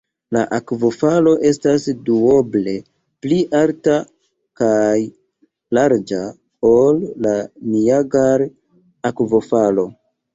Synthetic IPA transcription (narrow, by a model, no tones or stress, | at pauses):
laʔakvo̞falo̞ʔe̞stasduo̞ble̞ | pliʔalta | kaj | laɾd͡ʒa | olːaniaɡaɾ | akvo̞falo̞